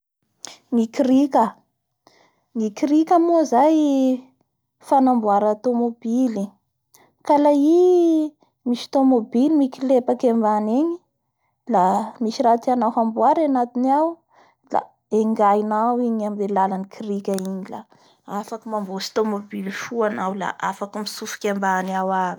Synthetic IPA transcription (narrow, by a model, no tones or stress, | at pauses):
ŋikiɾikə | ŋikiɾikʲəmozaj | fanambuaɾat̪omobili | kalai | miʃi̥t̪omobilimikilepakembaneɲi | lamiʃiɾat̪ianawɦambuaɾanat̪iniaw | la̰ | eŋɡajnawiɲambelalanikʰiɾikʲaiɲila̰ | afakəmambosi̥t̪omobilifuanawla̰ʔafakəmisufi̥kʲembaniawai